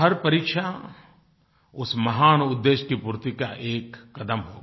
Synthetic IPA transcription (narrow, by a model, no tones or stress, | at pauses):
ɦɐɾpɐɾiːkʃa | ʊsmɐɦaːnʊd̪ːeːʃkipuːɾt̪ikaʔeːkːɐd̪əmɦo̰ːɡa